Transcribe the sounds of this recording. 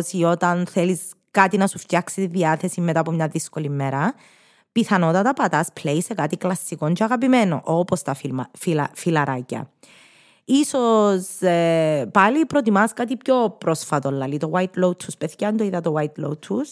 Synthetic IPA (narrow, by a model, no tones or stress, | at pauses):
sio̞t̪ɐnθelis | kat̪inɐsufc̪aksit̪iðiaθe̞simːet̪aːpomɲaðiskolimːeɾɐ | piθɐno̞t̪ɐt̪ɐpɐt̪ɐspʰleise̞kat̪iklɐsːikoncʰoɐɣɐp̬imeno̰ʔopost̪ɐifilɐɾʔacɐ̰ | isos | palipɾot̪̬imɐskat̪ipçopɾosfɐt̪olːɐlit̪owajt̪lowt̪ʰːuspeθcɐnt̪oiðɐt̪owajt̪lowt̪ʰːus